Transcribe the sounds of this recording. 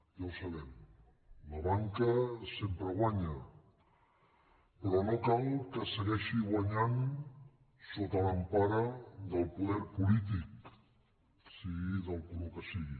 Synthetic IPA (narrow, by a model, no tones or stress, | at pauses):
jawsaβ̞ɛm | laβaŋkəsempɾəɣwaɲə | pəɾɔnokalkəsəɣɛʃiɣwaɲan | sot̪əlampaɾəðəlˠpuðɛɾpulit̪ik | siɣiðəlˠpuðukəsiɣi